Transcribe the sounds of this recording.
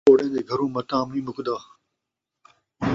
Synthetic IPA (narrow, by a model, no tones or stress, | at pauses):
oːɽẽːnd̪eːɡʱɐɾũːmɐt̪aːmnĩːmʊkd̪aː